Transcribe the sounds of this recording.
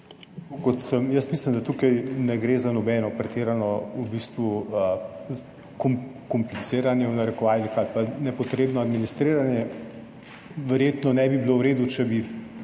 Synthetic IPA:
kokɔt̪səmjəst̪mislimd̪at̪uːkajnɛɡɾeːzanɔbɛːnɔpɾɛt̪eːɾanɔubist̪ʋuə | kɔm | kɔmplit̪seːɾanjɛwnaɾɛkɔʋalixalpanɛpɔt̪ɾeːbnɔad̪minist̪ɾeːɾanjɛ | ʋɛɾjet̪nɔnɛbibilowɾeːd̪ut͡ʃɛbi

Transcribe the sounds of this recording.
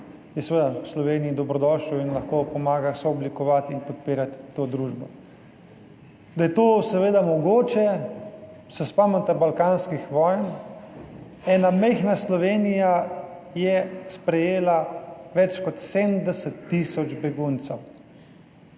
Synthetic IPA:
jɛsɛʋed̪awslɔʋeːniid̪ɔbɾɔd̪ɔːʃuwinlaxkopɔmaːɡasɔɔblikɔʋat̪inpɔt̪̚piːɾat̪ːoːd̪ɾuːʒbɔ̰ | d̪ajɛt̪oːsɛʋeːd̪amɔɡoːt͡ʃɛ | sɛspamɛnt̪ɛbalkaːnskixʋɔːjn | ɛːnamɛɪxnaslɔʋeːnija | jɛspɾɛjeːlaʋɛt͡ʃkɔt̪sed̪nd̪ɛsɛt̪ːisɔd͡ʒbɛɡunt̪sɛw

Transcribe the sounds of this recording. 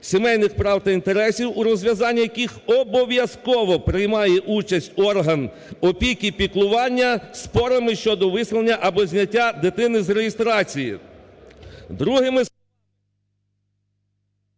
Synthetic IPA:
sʲimɛjnɪxpɾɑwt̪ɐint̪e̞ɾɛsʲiwuɾɔzʲʋʲjɐzɑnʲːijɐkʲixɔbɔʋʲjɐskɔʋɔpɾɪjmɑjɛʔut͡ʃɐsʲtʲɔrɦɐn | ɔpʲikʲipʲiklˠʊʋɑnʲːɐspɔɾɐmɪʃt͡ʃɔd̪ɔʋɪsʲlˠenʲːɐʔɐbɔzʲnʲɐtʲːad̪ɪt̪ɪnɪzɾeɦɪst̪ɾɑt͡sʲijḭ | d̪ɾuɦɪmɪ

